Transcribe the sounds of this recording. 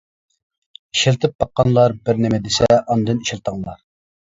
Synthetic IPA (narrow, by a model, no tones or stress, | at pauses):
iʃelt̪ʰɪp̚bɑqːɑnlˠɑɾbɪɾnemɪd̪ɪsɛʔɑnd̪ɨniʃelˠt̪ʰəŋlˠɑ̰ɾ